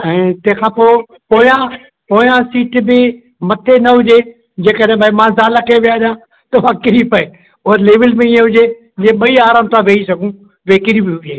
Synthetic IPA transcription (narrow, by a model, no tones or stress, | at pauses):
ɛ̃ːt̪ɐ̃ɦɪ̃kʰãːpoːɪ | poːjã | poːjãsiːʈbɪ | mɐt̪ʰenɐɦʊd͡ʑe | d͡ʑeːkəɗẽbəimãzaːlakʰeʋijaʄjã | t̪ɐʋãkɪɾipɐe | ʊɦɾleːʋɪlmẽiẽɦʊd͡ʑe | d͡ʑẽːɓɐiaːɾaːmt̪ʰãʋʱeːisɐɡʱũ | ʋeːkɪɾibɪɦʊd͡ʑeː